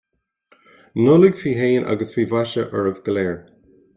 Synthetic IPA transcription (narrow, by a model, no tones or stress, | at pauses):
nʊləɡfiːɦeːnʔa̰ɡəsfiːvaʃəʔəɹəvɡ̥əlɛːɹ